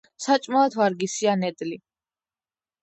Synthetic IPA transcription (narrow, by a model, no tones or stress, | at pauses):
sat͡ʃʼmaat̪ʰvaɾɡisianɛd̪li